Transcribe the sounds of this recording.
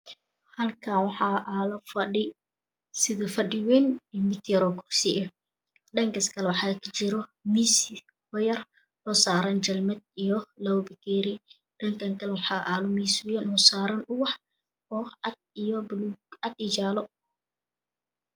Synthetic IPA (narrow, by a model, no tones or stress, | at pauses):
hɐlkʰaːnwɑħɑːʔaːlɔfɐɖɪ | sɪðɐfɐɖɪwɛnɛmɪt̪jɐɾɔːkʰʊrsɪʔɛ | ɖɐŋkɐskʰɐlɛwɑħɑːkʰɐt͡ʃɪɾɔmisɪ | hɔjɐr | hɔsaːɾɐnt͡ʃɐlmɛd̪̚ijɔlɐwbɪkʰɛɾɪ | ɖɐŋkʰɐŋkʰɐlwɑħɑʔaːlʊmiːsʊjɛnɔsaːɾɐnʊwɑħ | ɔɐd̪̚ijɔbʊluːɡɐd̪ɪt͡ʃaːlɔ